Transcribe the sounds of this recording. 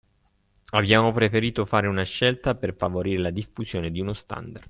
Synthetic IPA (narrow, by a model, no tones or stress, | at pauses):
abjaːmopɾefeɾiːt̪ofaːɾeunaʃːɛlt̪aperfavoɾiːɾelad̪ifːusjoːned̪iunost̪a̰nd̪ard̪